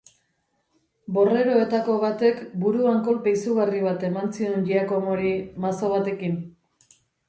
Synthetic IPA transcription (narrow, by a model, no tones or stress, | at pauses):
bo̞re̞ɾo̞e̞t̪ako̞βat̪e̞kbuɾuaŋko̞lpejsuɣariβ̞at̪e̞mansienʎiako̞moɾimaso̞β̞at̪e̞kin